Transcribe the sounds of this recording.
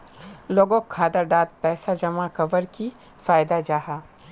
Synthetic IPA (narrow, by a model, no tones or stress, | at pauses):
loːɡõkʰːaːd̪əɾɖaːt̪̚pɛːsad͡ʒɐmakɐʋəɾki | faːjd̪ad͡ʒaːɦaː